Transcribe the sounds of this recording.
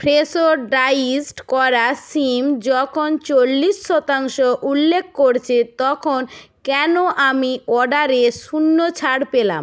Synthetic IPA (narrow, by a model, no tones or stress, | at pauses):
pʰɾesoɾɖajisʈkɔɾasimd͡ʑɔkʰont͡ɕolːisːɔt̪aŋʃoʔulːek̚ʰkoɾt͡ɕʰet̪ɔkʰon | kɛnoʔamiɔɖaɾeʃunːot͡ɕʰaɽpela̰m